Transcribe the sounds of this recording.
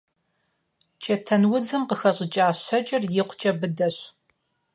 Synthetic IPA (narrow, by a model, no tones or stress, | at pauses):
t͡ʃʰɐtʰɐnwʊd͡zɨmqəxɐɕʼɪt͡ʃʼaːɕɐt͡ʃʼɪrjɪqʷt͡ʃʼɐbɨdɐɕ